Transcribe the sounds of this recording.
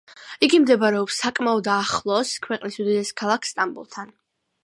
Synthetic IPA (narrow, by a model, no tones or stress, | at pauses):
iɡimd̪ɛbaɾɛɔpsakʼmaɔd̪aχlˠɔskʰwɛqʼnisud̪id̪ɛskʰalˠakʰst̪ʼambṵlˠt̪ʰan